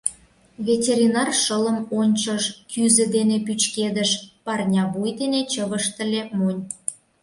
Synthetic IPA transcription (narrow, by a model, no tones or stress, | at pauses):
vʲetʲeɾʲinɑrʃələmonʲt͡ɕəʃkʰyzə̆d̪enepyt͡ɕked̪əʃpɑrnʲɑβujd̪enet͡ɕəβəʃt̪ə̆lʲemonʲ